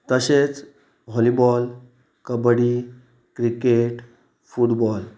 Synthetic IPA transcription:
t̪əɕet͡s | ɦɔlibɔl | kəbɽi | kɾikeʈ | fuʈbɔl

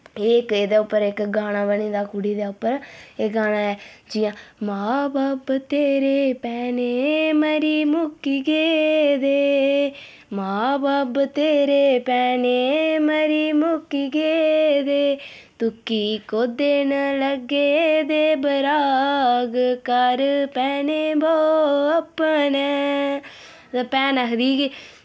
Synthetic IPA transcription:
eked̪aːʊpːəɾekɡaːɽ̃aːbəniːd̪aːkʊɽid̪aːʊpːəɾeːɡaːɽ̃aːɛːd͡ʒijãːmaːbaːbt̪eːɾeːpɛːneːməɾiːmʊkiɡeːd̪eː | maːbaːbt̪eːɾeːpɛːnemɐɾimukːiɡed̪e | t̪ukːikod̪ːeːnɐlɐɡːed̪ebɐɾaːɡɨkaɾɨpɛːneboːɐpːɐnɐ | pɛːnɐɦɐd̪iɡe

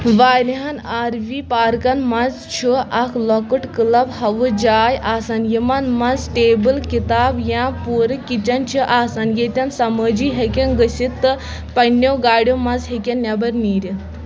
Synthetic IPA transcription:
ʋaːɾiɦanaːɾʋipaːɾkɐnmɐz | t͡ʃʰuʔakʰlɔkɨʈkɨlɐbhɐʋɨd͡ʒaːjʔaːsanjimɐnmɐzʈeːbɨlkit̪aːbjãpuːɾɨkʲːit͡ʃɐnt͡ʃʰiʔaːsanjet̪ʲɐnsɐməːd͡ʒiːɦekʲenɡəsit̪ːɨ | pɐnːewɡaːɽʲjomɐzɦekʲenːʲɐbɐɾniːɾʲi

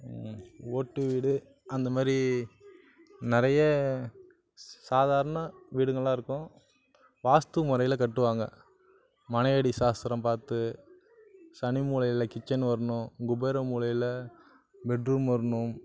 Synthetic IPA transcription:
oːʈːɯʋiːɽɯ | ɐnd̪ɐmaːd̪ɾi | nɪɾɐjɐ | saːðaːɾɐnɐʋiːɽɯŋɡɐɭãːɪɾɯkːʊ̃ | ʋaːst̪ɯmʊɾɐjɪlɐkɐʈːɯʋaːŋɡɐ̰ | mɐnɐjɐɽisaːst̪ɪɾɐmpaːɾt̪ɯ | sɐnimuːlɐjɪlɐkɪt͡ʃːɐnʋɐɾɐɳʊ̃ɡʊbeːɾɐmuːlɐjɪlɐ | bɛɖrɯmɐɾɐɳɯm

